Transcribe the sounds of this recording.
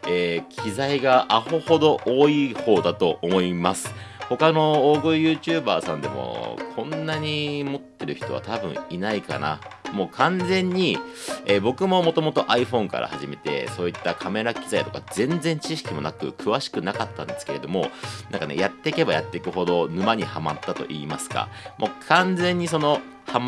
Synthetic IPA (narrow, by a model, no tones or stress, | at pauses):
eːkʲʰizaiɡaʔaho̞ho̞d̪o̞ʔoːiho̞ːd̪at̪o̞omo̞imasɨ̥ho̞kano̞oːɡɯijɯ̟ːt͡ɕɨːbaːsã̰nd̪e̞mo̰kʰõ̞nːaɲ̟imo̞t̪ːe̞ɾɯ̟çi̥t̪o̞βa̰t̪abɯ̟̰̃inaika̰na̰mo̞ːkʰãnd͡zẽ̞ɲ̟ːieːbo̞kɯ̟mo̞mo̞t̪o̞mo̞t̪o̞ʔaiɸõ̞ŋka̰ɾʔa̰haʑime̞t̪e̞̰so̞ːit̪ːakʰame̞ɾakʲi̥zait̪o̞̥kazẽ̞nd͡zẽ̞ɲ̟t͡ɕiɕ̬i̥kʲimo̞nakɯ̟̰kʰɯ̟βaɕi̥kɯ̟nakat̪ːã̰nd̪esɨ̥ke̞ɾe̞d̪o̞mo̞nã̰ŋkane̞̰jat̪ːe̞ike̞baja̰t̪ːe̞ikɯ̟ɦo̞d̪o̞nɯ̟maɲ̟ihamat̪ːat̪o̞̰ʔiːmasɨ̥ka̰mʔo̞kʰãnd͡zẽ̞ɲ̟ːiso̞no̞ | ham